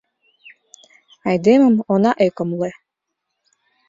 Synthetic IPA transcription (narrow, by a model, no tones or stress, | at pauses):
ɑjd̪emə̆monɑʔekomle